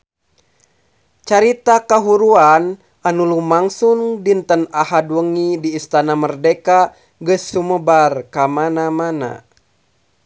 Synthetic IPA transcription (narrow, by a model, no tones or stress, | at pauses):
t͡ʃaɾit̪akaɦuɾuan | anulumaŋsundint̪ənaɦadwəŋidiːst̪anamərdɛka | ɡəsːuməbarkamanamana̰